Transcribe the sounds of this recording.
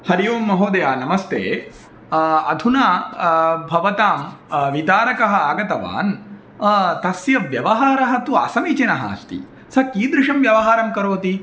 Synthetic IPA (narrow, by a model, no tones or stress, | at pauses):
hɐɾijuːmːɐɦoːd̪ɐjaːnɐmɐst̪ʰḛː | ɐd̪ʱunaː | bʱɐʋɐt̪aːmʋit̪aːɾɐkɐɦɐ̆aːɡɐt̪ɐʋa̰ːn | t̪ɐsjɐʋjɐʋɐɦaːɾɐɦɐt̪uɐ̰sɐmit͡ʃinɐɦa̰ːst̪ḭ | sɐkiːd̪ɾɪʂɐmʋjɐʋɐɦaːɾɐmkɐɾoːt̪i